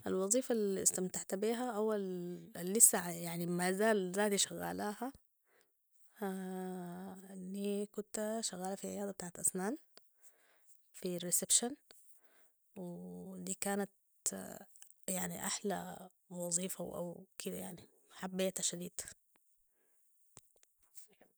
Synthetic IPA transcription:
ʔalwɑzˤiːfaliɪ̰st̪amt̪aʕt̪abiːɦahuwːaalːɪsːaʕjaʕnimaːzaːlzaːd̪iʃaɣa̰ːlaːha | lːiːkʊnt̪aʃaɣːaːlafiʕɪjɑːd̪ˤɑb̚t̪aːʕt̪ʔasnaːn | firɪsebʃan | wd̪iːkaːnat̪̚ | jaʕniʔa̰ħla̰ | wɑzˤiːfawʔa̰wkʰɪd̪a̰jaʕni | ħabːeːt̪aʃad̪iːd̪̥

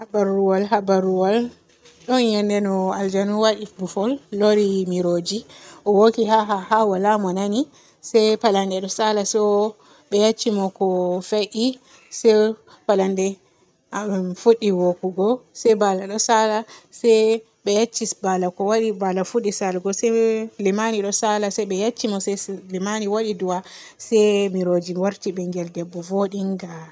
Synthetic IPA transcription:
habaɾuwalɦabaɾuwal | ɗɔnjɛndɛnɔald͡ʒanuwaɗibufɔlːoɾimiɾod͡ʒiʔɔwokihaɦahawalamɔnani | sɛjpalandɛɗɔsalasɔ | ɓɛjat͡ʃːimɔkɔfeʔi | sɛ | palandɛ | aɛmfuɗːiwokuɡɔsɛbalaɗɔsalasɛj | ɓɛjat͡ʃːisbalakɔwaɗibalafuɗisalɡɔsɛlimaniɗɔsalasɛɓɛjat͡ʃːimɔsɛlimaniwaɗiduwa | sɛmiɾod͡ʒiwaɾtiɓɛŋɡɛldɛbːɔvoɗiŋɡa

